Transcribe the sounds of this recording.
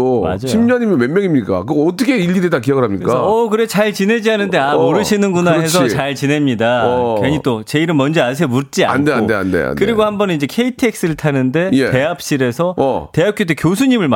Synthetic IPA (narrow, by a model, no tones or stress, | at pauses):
oma̰d͡ʑaɕjʰimɲʌɲimjmemjʌŋimɲik͈a̰kɯɡʌt͈ʌkʰeiʎːɡidedak̬ijʌɡɯɭɦamɲikk͈aʌʌkɯɾet͡ɕaɭt͡ɕine̞d͡ʑiɦanɯnde̞amoɾɯɕʰinɯnɡunaaɦe̞ɕsʰʌt͡ɕaɭt͡ɕine̞mɲidakeɲit͈ot͡ɕe̞iɾɯnmʌnd͡ʑias̬ʰeʌmut̚t͡ɕ͈ia̰a̰ndeaodea̰ndḛa̰nkɯɾiɡohambʌnnid͡ʑe̞kʰe̞itʰek̚s͈ɯɯɭtʰanɯnde̞jete̞ap̚ɕ͈iɾe̞sʰʌʌte̞ap̚k͈jot̬ekjosʰuɲimɯɭm